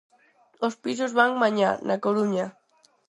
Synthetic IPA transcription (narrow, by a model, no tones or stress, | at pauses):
ospisozβaŋmaɲa̰nʔakoɾuɲa